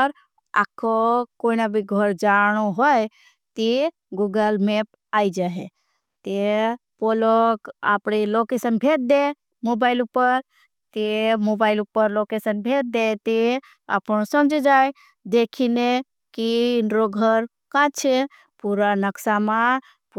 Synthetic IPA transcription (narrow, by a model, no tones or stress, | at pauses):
ɾ | a̰kʰːokoinabʱiɡʱəɾd͡ʒañuɦoj | t̪i | ɡuɡəlmep | ajd͡ʒaɦe | t̪epoloka̰pɽelokesənbʱet̪̚d̪e | mobaɪilupːəɾ | t̪emobaɪilupːəɾlokesənbʱet̪̚d̪et̪e | a̰pñusəmd͡ʒʱed͡ʒaj | d̪ekʰine | kiːnɾoɡʱəɾ | kãt͡ʃʰe | puɾanəksama | p